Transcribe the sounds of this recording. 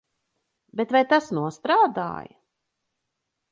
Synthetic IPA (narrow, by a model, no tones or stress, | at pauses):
bet̪vajt̪asnuɔst̪ɾaːd̪a̰ːjɐ̰